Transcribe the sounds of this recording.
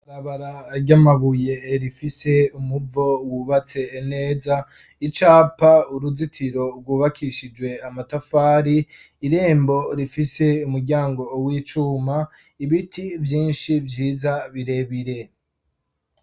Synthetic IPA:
aɾaβaɾaɾɟamaβuje̞ɾifise̞umuvo̞wuβat͡se̞ːne̞ːza | it͡ʃaːpauɾuzitʰiɾo̞ɾɡwuːβakʰiʃid͡ʒwe̞amatafaːɾiː | ɾe̞ːmbo̞ɾifise̞umuɾɟaːŋɡo̞wiːt͡ʃuːma | iβitʰivjiːnʃivjiːzaβiɾe̞βiɾe̞

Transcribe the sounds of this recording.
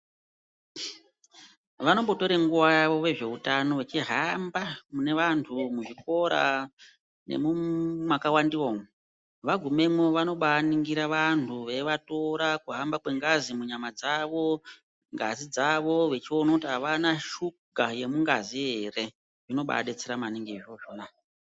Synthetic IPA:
ʋano̞mbo̞to̞ɾeŋɡuʋajaʋo̞ʋe̞ʐe̞utano̞ʋe̞t͡ʃiɦambamune̞ʋantʰumuʐiko̞ɾa̰ | ne̞̰mumwakawandioːme | ʋaɡʱume̞mwoʋano̞ɓaniŋɡiɾaʋantʰuʋe̞ʋato̞ɾakuɦambakwe̞ŋɡazimuɲamad͡zaʋo̞ | ŋɡazid͡zaʋo̞ʋe̞t͡ʃio̞nakutiɦaʋanaʃu | ɡʱaje̞muŋɡaziɦe̞re̞ | ʐino̞ɓa̰ɗet͡seɾamaniŋɡioʐoːna

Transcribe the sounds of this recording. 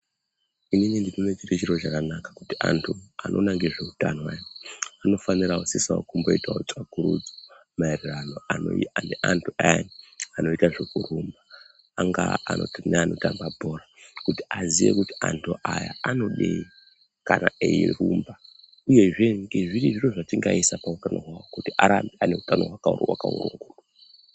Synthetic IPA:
ininindinonet͡ʃiret͡ʃiɾot͡ʃakanakḁku̥tia̰ntʰuanʔo̞̰naŋɡeʐe̞utanwajoano̞faniraosisao̰kumbo̞itaot͡sʼakuɾṵd͡zo | maerirano̞ananeʔantʰuajaano̞itaʐe̞kurumbaː | ŋɡa̰ano̞̰tineanotambabʱo̞ɾakutiazijḛkutiantʰuʔaja̰ano̞ɗe | kanaeirumba | uje̞ʐe̞ŋɡe̞ʐiɾiʐiroʐatiŋɡaisapautano̞̰ɦwawokutiʔaɾambiane̞utano̞ɦwakawa̰kaṵɾṵŋɡuːɗa

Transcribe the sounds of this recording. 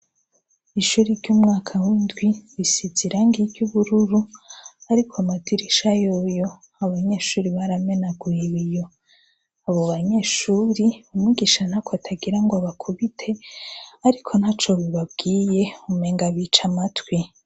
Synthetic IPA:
iʃuɾiɾɟuːmŋaːkʰawiːndwiβisiziɾaŋɡiɟuβuɾuɾuaɾikʰoamatʰiɾiʃajojo̞ | aβaɲe̞ːʃuːɾiβaɾame̞naɡwiβijo̞ | aβoβaɲe̞ːʃuːɾiumiɡiʃan̥hakoatʰaɡiɾaŋɡoaβakʰuβitʰe̞aɾikʰo̞nhaːt͡ʃo̞βiβab̚ɡiːje̞umeːŋɡaβit͡ʃamatwi

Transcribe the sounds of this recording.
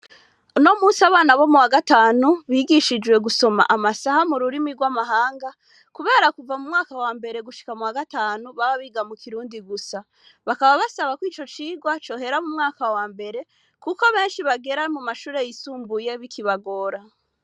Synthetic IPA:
no̞muːsaβaːnaβo̞muwaɡataːnuβiːɡiʃid͡ʒwe̞ɡuso̞ma̰ʔamasahamuɾuɾimiɡwamaɦaːŋɡa | kuβe̞ːɾakuvamumŋaːkawaːmbe̞ɾe̞ɡuʃi̥kamuwaɡataːnuβaβaβiːɡamukʰiɾuːndiɡusa | βakaβaβasaβakwiːt͡ʃo̞t͡ʃiːɡwat͡ʃo̞ːɦe̞ɾamumŋaːkawaːmbe̞ɾe̞ | kuko̞βe̞ːnʃiβaɡe̞ɾamumaʃuːɾe̞jisuːmbuje̞βikʰiβaɡo̞ːɾa

